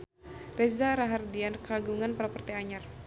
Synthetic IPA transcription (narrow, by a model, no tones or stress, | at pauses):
rɛsdaɾaɦardiankaɡuŋanpaɾapərt̪ɛaɲar